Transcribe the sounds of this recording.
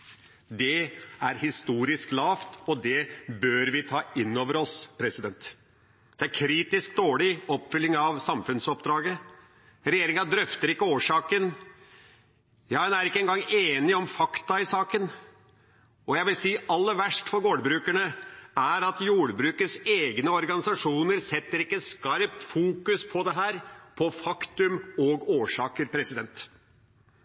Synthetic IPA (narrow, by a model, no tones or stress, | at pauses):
d̪ɛæɾhɪst̪uːɾɪsklɑːft̪ɔd̪ɛbøɾʋɪt̪ʰɑːɪnːoːʋəɾɔspʰɾɛsɪd̪ɛnt̪ | d̪̥ɛæɾkʰɾiːt̪ɪsk̚d̪oːɭɪɔpːfʏlːɪŋɑʋsɑmfʉnsɔpd̪ɾɑːɡə | ɾɛjeːɾɪŋɑd̪ɾœft̪əɾɪkːəoːʂɑːkən | jɑːhɛnæɾɪkːəɛnɡɑŋːeːnɪɔmfɑkt̪ɑɪsɑːkən | ɔjæɪʋɪlsiːʔɑlːəɾʋæʂʈfɔɾɡoːɖbɾʉːkæɳəæɾɑt̪juːɖbɾʉːkəseːɡnəɔɾɡɑnɪsɑʂuːnəɾsɛt̪ːəɾɪkːəskɑɾp̚t̪fuːkʉspʰɔd̪ɛɦæːɾpʰɔfɑkt̪ʉmɔɡoːʂɑːkəɾpʰɾɛsɪd̪ɛnt̪